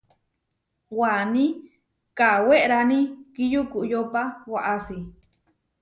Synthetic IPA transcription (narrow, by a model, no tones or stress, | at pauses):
wanĩ | kaweʔɾanĩkijukuʔjopawaʔasi